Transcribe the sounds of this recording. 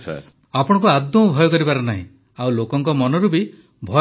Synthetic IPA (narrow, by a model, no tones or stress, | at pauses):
apɔɽ̃ɔ̃ŋkuad̪ːɔbʱɔjɔkɔɾibaɾɔnaɦḭ̃ | awlokɔŋkɔmɔnɔɾubi | bʱɔ